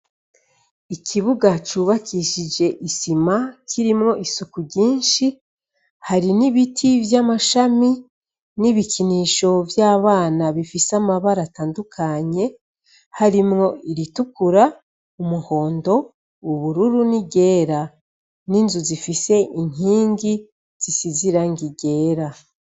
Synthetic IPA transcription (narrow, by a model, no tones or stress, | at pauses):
ikʰiβuɡat͡ʃuːβakʰiʃid͡ʒe̞ʔisimakʰiɾimŋo̞ʔisukuɾɟiːnʃi | haɾiniβitʰivjamaʃami | niβiciniːʃo̞vjaːβaːnaβifisamaβaɾataːndukʰaɲe̞ | haɾimŋo̞iɾitukuɾa | umuho̞ːndo̞ | uβuɾuɾuniɟe̞ːɾa | ninzuzifise̞ʔiŋ̥iːŋɡi | z̥isiziɾaŋɡiɡe̞ːɾa